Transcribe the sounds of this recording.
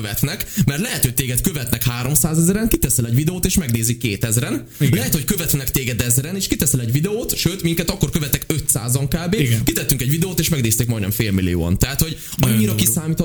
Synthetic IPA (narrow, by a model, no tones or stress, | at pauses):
øvɛt̪nɛkmɛrt̪lɛɦɛt̪ʰot̪eːɡɛt̪køvɛt̪nɛkhaːɾo̞msaːzɛzɛɾɛŋkit̪ɛsɛlɛɟvid̪ɛoːt̪eːʃmɛɡneːzikːeːt̪ɛzɾɛn | lɛɦɛt̪ho̞ckøvɛt̪nɛkt̪eːɡɛd̪ɛzɾɛneːʃkit̪ɛsɛlɛɟvid̪ɛoːt̪ʃøːt̪miŋkɛt̪ɒkːo̞rkø̞vɛt̪ːɛkøt̪sa̰ːzɒŋkaːbeːt̪kit̪ɛt̪ːyŋkɛɟvid̪ɛoːt̪eːʃmɛɡneːst̪eːkmɒjnɛmfeːlmilijo̰ːɒ̰nt̪ɛɦat̪ho̞ɟ | ɒɲːiɾɒkisaːmiːt̪ʰ